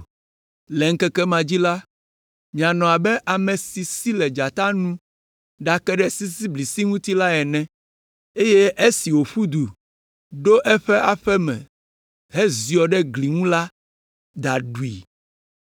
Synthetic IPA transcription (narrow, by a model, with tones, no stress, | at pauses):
lɛ˨ŋ̩˦kɛ˦kɛ˦mã˨d͡ʑi˦la˦ | mĩ˨a˨nɔ̃˨a˨bɛ˦ʔa˨mɛ̃˨si˨si˦lɛ˨d͡ʒa˨t̪a˦nũ˦ | ɖa˨kɛ˦ɖɛ˦si˦si˦bli˨si˦ŋũ˦t̪i˦la˦ɛ˨nɛ̃˨ | e˦jɛ˦ʔe˦si˨wo˨ɸu˦d̪u˨ | ɖo˦ʔɛ˦ɸɛ˦ʔa˨ɸɛ˦mɛ̰̃˨ | ɦɛ˦zi˨ɔ˨ɖɛ˦ɡli˨ŋũ˦la˦ | d̪a˨ɖu˨ḭ˨